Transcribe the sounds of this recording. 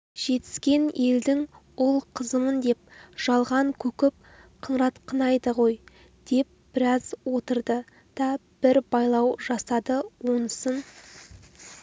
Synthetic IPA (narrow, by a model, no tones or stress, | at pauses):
ʒ̥e̞t̪ɪ̥skʲe̞ne̞ld̪ɪŋ | ʊlˠqʰəzəmənd̪e̞p̚ʒ̥ɑlˠʁɑŋkʲʰɵkʲɪp̚ | qʰəɴɾɑt̪qʰənɑjd̪əʁo̞j | d̪̥e̞p̚b̥ɪɾɑzwo̞t̪əɾd̪ə | d̪̥ɑb̥ɪɾbɑjlˠɑwʒɑsɑd̪əwo̞nəsən